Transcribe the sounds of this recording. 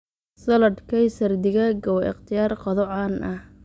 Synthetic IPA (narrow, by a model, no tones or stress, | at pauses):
sɐlɐd̪kʰɐjsɐrd̪ɪɣɐɡɐwʔɪ̰qt̪ʰɪjaːrqɔðɔʕɑnʔɐh